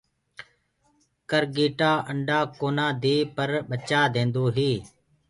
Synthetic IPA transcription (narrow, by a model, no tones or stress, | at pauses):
kəɾɡiːʈaːʔəɳɖaːkoːnaːd̪iːpəɾɓət͡ʃaːd̪ẽːnd̪oːɦiː